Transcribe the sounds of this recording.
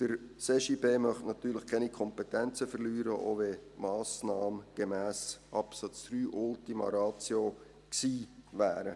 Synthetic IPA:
d̥əɾseʃiːbeːmœχtnɑt̪yːɾləχkʰɛnikʰɔmpetɛnt͡səfərlyːɾəʔo̰ːʋemɑːsnɑːmɡ̥emæːsʔɑpsɑt͡sd̥ryːʔʊltimɑ̰ɾɑːt͡sjo | ksiːʋæːɾə

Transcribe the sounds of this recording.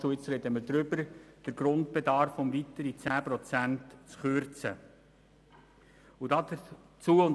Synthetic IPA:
uɪt͡sɾɛdəməɾd̪ɾʏbəɾd̥əɾɡɾʊntb̥ɛdɑɾfʊmvit̪əɾit͡sæːpɾɔt͡sæntt͡sχøɾt͡sə | udɑdə | t͡suːəʊn

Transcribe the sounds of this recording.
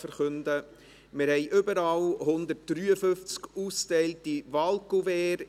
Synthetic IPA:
fəɾχʏndə | mɪɾhɛɪʔʏbəɾɑlhʊndət̚d̥ɾyːəfɵft͡skuːstɛɪltivɑlkuvɛːɾ

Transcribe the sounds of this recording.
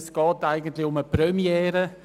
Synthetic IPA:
sɡ̥ɑːtaɪɡən̩tlɪʊməpɾœmjɛːɾə

